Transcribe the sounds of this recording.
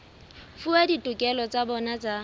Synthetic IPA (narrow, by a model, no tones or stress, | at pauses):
fuaditʼukʼɛlɔt͡sʼabɔnat͡sʼa